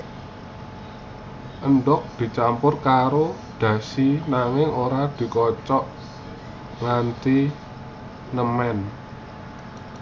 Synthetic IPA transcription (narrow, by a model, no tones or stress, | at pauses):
ʔənɖɔk̚d̪̥i̤t͡ʃampʊrkaɾo | d̪̥ä̤sinaŋɪŋoɾad̪̥i̤kɔt͡ʃɔʔ | ŋant̪i | nəmɛn